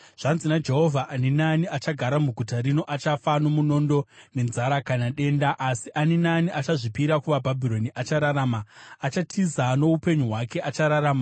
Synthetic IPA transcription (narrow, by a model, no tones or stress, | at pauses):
ʐ̥anzinad͡ʒe̞ɦo̞vʱaʔːninaniat͡ʃaɡʱaɾamuɡʱutaɾino̞ʔat͡ʃafano̞muno̞ndo̞ne̞nzaɾakanaɗe̞ːndaʔasiʔaninaniʔat͡ʃaʐipiɾakuʋabʱabʱiɾo̞niʔat͡ʃaɾaɾaːmaːt͡ʃatʰizano̞upe̞ɲuɦwake̞ʔat͡ʃaɾaɾaːma